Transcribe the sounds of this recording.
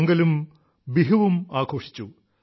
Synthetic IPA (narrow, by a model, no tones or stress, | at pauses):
ŋɡɐlum | biɦɐʋumaːkʰoːʂi̥t͡ɕːu